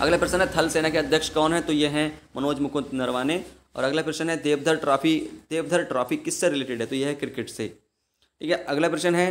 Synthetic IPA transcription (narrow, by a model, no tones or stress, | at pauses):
ɐ̰ɡlapɾesənɦɛt̪ʰɐlseːnakeɐd̪ʱjəkʃkɔːnɦɛt̪ojeɦɛmɐnoːd͡ʒmʊkʊt̪nɐɾʋaːne | ɔ̰ːɾɐɡlapɾeʃənɦɛd̪eːʋd̪ʱəɾʈɾaːfid̪̥eːʋd̪ʱəɾʈɾaːfikːɪsːeɾɪleːʈɪɖɦɛt̪ojeɦɛkɾɪkɪʈsḛ | ʈiːkeɐɡlapɾeʃənɦɛ